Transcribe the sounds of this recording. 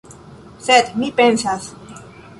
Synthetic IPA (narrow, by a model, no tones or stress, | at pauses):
set̪mipensas